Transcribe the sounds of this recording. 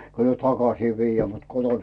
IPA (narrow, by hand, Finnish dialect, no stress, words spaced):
kyl myø tɑkɑsiː ʋijːæː mut koton